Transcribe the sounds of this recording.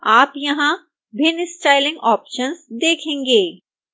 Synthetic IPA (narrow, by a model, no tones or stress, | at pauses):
aːpjɐɦã | bɪnɪsʈaːɪlɪ̃ŋɡɔːpʃənzd̪eːkʰẽːŋɡeː